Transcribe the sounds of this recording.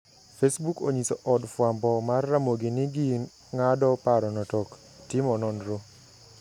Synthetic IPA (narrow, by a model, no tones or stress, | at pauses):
fesbuko̰ɲisoʔɔdfwambɔmarːamoɡinɪɡin | ŋadɔpaɾɔnɔtɔk | tɪmɔnɔnɾo